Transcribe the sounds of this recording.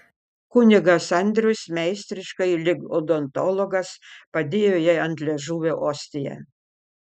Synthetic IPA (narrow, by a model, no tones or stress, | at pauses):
kʊnʲɪɡɐsɐnʲd̪ʲɾʲʊsmʲɛɪsʲt̪ʲɾʲɪʃkɐɪlʲɪɡod̪ont̪ɔlˠɔɡɐspɐd̪ʲeːjoːjɛɪɐnʲt̪ʲlʲɛʒuːʋʲoʔoːsʲt̪ʲɪjɛ̰